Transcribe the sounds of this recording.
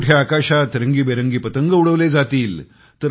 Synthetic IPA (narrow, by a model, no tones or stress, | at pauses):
ʈʰeakaɕat̪ɾəŋɡiːbeɾəŋɡiːpət̪əŋɡəuɽəʋled͡zat̪iːl | t̪əɾ